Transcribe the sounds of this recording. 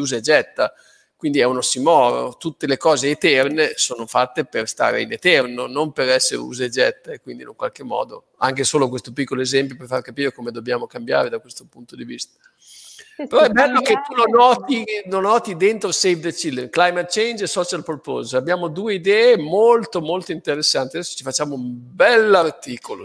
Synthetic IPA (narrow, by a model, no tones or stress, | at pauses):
uːzeed͡ʒɛt̪ːa | kwind̪iɛunosimɔːɾo̰t̪ut̪ːelekɔːzeːt̪ɛrnesoːnofat̪ːeperst̪a̰ːɾḛinet̪ɛrnonompeɾɛsːḛɾḛṵːzeed͡ʒɛt̪ːakwind̪ḭnuŋkwalk̟emːɔ̰ːd̪o̰ | a̰ŋkesoːlokwest̪opikːoloezɛmp̬joperfarkapiːɾekomed̪objaːmokambja̰ːɾed̪akwest̪opunt̪od̪ivist̪ḁ | peɾɔɛbːɛlːoket̪ːunonːɔːt̪inonːɔːt̪id̪ent̪ɾosejvd̪et͡ʃilːemklajmat̪̚t͡ʃejnd͡ʒesɔt͡ʃalpolpo̰sabjaːmod̪uːeid̪ɛːemolt̪omolt̪oint̪eɾesːant̪iad̪ɛsːo̥t͡ʃifat͡ʃːaːmoumbɛlːart̪iːkolo̰